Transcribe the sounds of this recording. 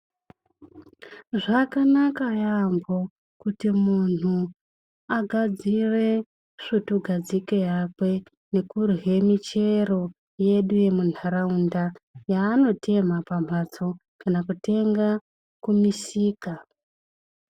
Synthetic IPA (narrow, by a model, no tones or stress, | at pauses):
ʐakanakajambo̞ | kutimunu | aɡʱad͡zire | ʂituɡʱad͡zike̞jakwe̞ | ne̞kurɦe̞mit͡ʃe̞ro̞ | je̞ɗuje̞mun̤aɾaundajaːno̞tʰe̞m̤apam̤at͡so̞ | kanakute̞ŋɡa | kumisiːka